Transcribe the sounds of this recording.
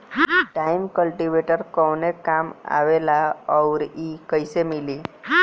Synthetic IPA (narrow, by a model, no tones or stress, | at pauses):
ʈajmkəlʈiʋeʈəɾkəwnekama̰ʋelaəwɾikəjsemiliː